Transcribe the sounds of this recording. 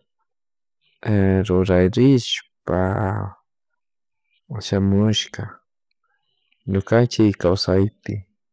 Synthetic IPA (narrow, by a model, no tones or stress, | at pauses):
ɾʊɾajɾɪʃpa̰ | ʃamʊʃkɑ | ɲʊkant͡ʃɪkkawsajt̪ɪ